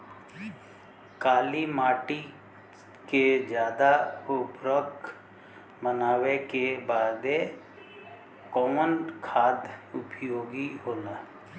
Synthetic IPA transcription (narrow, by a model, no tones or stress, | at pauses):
kaːlimaːʈi | ked͡ʒjaːd̪aʊpɾək | mənaːwekebaːd̪e | kɔːmənkʰaːd̪ʊpjjoːɡiɦoːlaː